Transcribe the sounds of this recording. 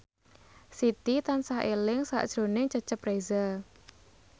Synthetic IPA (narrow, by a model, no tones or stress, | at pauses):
sit̪it̪ansahʔelɪŋsa̰ʔd̥ʒ̥ɾo̤nɪŋt͡ʃət͡ʃəprezə